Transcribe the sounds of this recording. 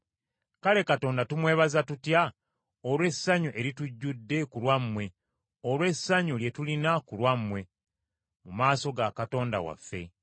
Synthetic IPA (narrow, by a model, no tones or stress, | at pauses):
kale̞kato̞ːndatumwe̞ːβazatutja | olwe̞sːaɲuʔe̞ɾituɟːudːe̞kulwamːwe̞ | olwe̞sːaɲulje̞tulinakulwamːwe̞ | mumaːso̞ɡakato̞ːnda̰wa̰fːe̞̰